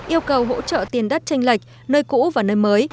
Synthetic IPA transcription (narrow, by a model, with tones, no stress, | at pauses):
ʔi˧əwkə˨˩wɦo̰˧˥t͡ɕə̰˧˨t̪i˨˩nɗə˦˥t̚t͡ɕa˧ŋ̟la˨˩jk̟̚ | nəː˧jkṵ˧˥vaː˨˩nəː˧jməː˨˦j